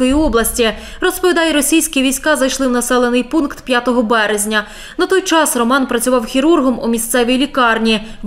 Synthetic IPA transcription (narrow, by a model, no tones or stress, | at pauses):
kɔjiɔblˠɐsʲtʲi | rɔspɔʋʲid̪ɑjɛɾɔsʲijsʲkʲiʋʲisʲkɑzɐjʃlˠɪwnɐsɛlˠenɪjpunkt̪pʲjat̪ɔɦɔbɛɾezʲnʲɐ | nɐt̪ɔjt͡ʃɑsrɔmɑnpɾɐt͡sʲʊʋɑwxʲiɾurɦɔmumʲisʲt̪sɛʋʲijlʲikɑrnʲi